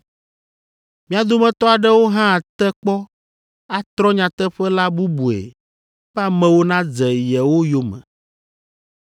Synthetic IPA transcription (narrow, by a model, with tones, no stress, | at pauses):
mĩ˦a˨d̪o˦mɛ̃˨t̪ɔ˦a˨ɖɛ˦wo˦ɦã˦a˨t̪ɛ˦k͡pɔ˦ | a˨t̪ɾɔ̃˦ɲã˨t̪ɛ˦ɸɛ˦la˦bu˦bu˨ḛ˨ | ɸɛ˦a˦mɛ̃˦wo˦nã˦d͡zɛ˨jɛ˨wo˦jo˦mɛ̰̃˨